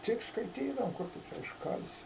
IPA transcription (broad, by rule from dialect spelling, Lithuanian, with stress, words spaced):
ˈtʲɪk skɐɪˈtʲiːdɐʋoːm ˈkʊr tʊ ˈt͡ʃʲɛ ɪʃˈkɐlʲsʲɪ